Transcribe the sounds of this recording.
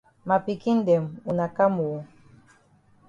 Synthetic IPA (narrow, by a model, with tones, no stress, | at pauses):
ma˨pi˨ki˦n̩˦dɛ˨mu˨na˨ka˦mu˨